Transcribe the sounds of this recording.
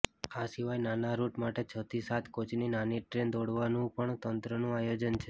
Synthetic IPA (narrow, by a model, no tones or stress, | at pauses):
asiʋajnanaɾuʈmaʈet͡ʃʰət̪ʰisat̪ʰkot͡ʃninaniʈɾend̪oɽʋanũpəɳt̪ənt̪ɾənũajod͡ʒənt͡ʃʰe